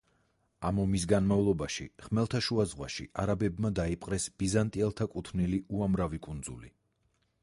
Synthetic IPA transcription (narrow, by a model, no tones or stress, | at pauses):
amɔmis̬ɡanmavlˠɔbaʃḭχmɛlˠt̪ʰaʃuazʁwa̰ʃḭʔaɾabɛbmad̪aipʼqʼɾɛsb̥izant̪ʼiɛlˠt̪ʰakʼut̪ʰniliuamɾavikʼund̪zṵlḭ